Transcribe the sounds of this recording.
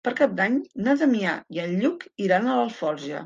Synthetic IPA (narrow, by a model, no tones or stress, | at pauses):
pəɾkap̚d̪aɲnət̪əmia̰iənʎukiɾanələlˠfɔɾʒə̰